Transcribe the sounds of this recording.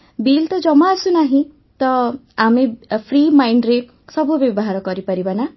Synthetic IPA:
bilt̪ʌd͡zʌmːaːsunaɦĩ | t̪ʌ | amipʰrimajɳɖɾe | sʌbubjʌbɔɦaɾɔɡʌɾipʌɾibana

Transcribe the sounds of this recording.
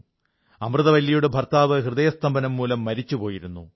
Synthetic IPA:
ɐmrɨðɐʋɐlːjɐjuɽebʱɐrt̪aːʋɨhrɨðɐjɐst̪ʰɐmbɐnɐmːuːlɐmːɐɾit͡ɕːupo̞ːjiɾunːṵ

